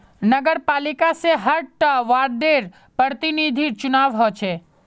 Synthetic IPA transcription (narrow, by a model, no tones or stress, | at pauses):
nəɡəɾpalikaseɦəɾʈəʋaɾɖeɾ | pəɾt̪inid̪ʱiɾt͡ʃunaʋɦɔjt͡ʃʰe